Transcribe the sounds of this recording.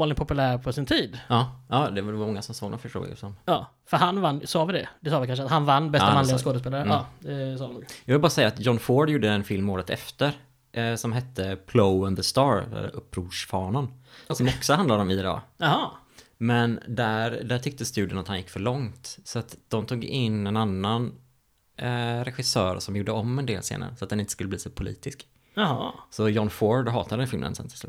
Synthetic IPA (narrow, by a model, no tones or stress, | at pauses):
lɪt̪pɔpɵlæːɾpʰɔsɪnt̪ʰiːd̪ɑːɑːd̪ɛɛvaɾmɔŋːasɔmsoːɡd̪ɔmfœʈʰɾṵːɪ̰ə̰sɔmɑː | fœɾɦanvanːsɑːvɪd̪ɛd̪ɛsɑːʋɪkanʃəat̪hanvanːbɛsamanlɪɡaskoːd̪əs̬peːlaɾəd̪ɛsɑːnuːɡjɑvɪlbɑɾasɛjːaːt̪jɔnfoːɖjuːɖəɛnfɪlmoːɾət̪ɛ̰ft̪əɾ | ʔsɔmɦɛt̪ʰːəpʰloʊənðəst̪ɑːɾɛ̰l̰ʔɵpːɾuːʂfɑːnansɔmɔksɔhand̪ad̪ɔmɪɛd̪ɑ̰ːhɑ | mɛnd̪æɾd̪æʈʰʏk̚t̪əst̪ʉ̟d̪ɪənat̪hanjɪkːfœɭɔŋt̪sɔat̪d̪ɔmt̪ʰuːɡɪnːɛnanːan | ɾɛɧɪsœːɾsɔmjuːɖəɔmːɛnd̪eːlsḛːna̰ɾəsɔat̪̚ɛnɪnt̪əskɵlːəbliːsopʰʊlḭːt̪ɪsk | hsɔjɔnfoɖɦɑːt̪ad̪əd̪ɛnfɪlmənə̰nsɛ̰nt̪ʰɪ̥slʉ̰ːt̪